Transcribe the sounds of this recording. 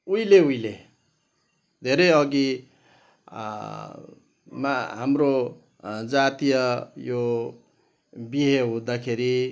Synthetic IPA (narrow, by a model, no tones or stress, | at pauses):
ujleujle | d̪ʱeɾʌjʌɡi | ma̰ɦamro | d͡zat̪ijʌjo | biɦeɦũd̪akʰeɾi